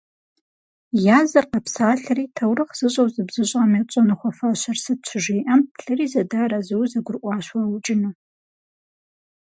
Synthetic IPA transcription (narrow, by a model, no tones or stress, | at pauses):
jazarqapʰsaːɬaritʰawrɨχz̥ɨʒʷʼowzɨbzɨɕʷʼamat͡ʃʷʼanɨχʷafaʃʷarsɨt͡ʃʷʰʒʷejʔanpʰɬɨrizadaɾazɨwzaɡʷʊrʔʷʼaʃwawut͡ʃʼɪnu